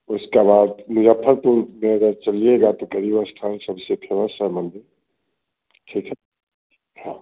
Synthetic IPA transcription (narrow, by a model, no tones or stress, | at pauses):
ʊskabaːd̪nɪd͡ʒəpʰːəɾt̪uɾmẽɐɡəɾt͡ʃɐlieɡat̪okəɾibəsʈ̪ʰaːnsəbsepʰeʋəsəmə̃nd̪ʱe | ʈʰiːkʰɦɛ | hã̰ː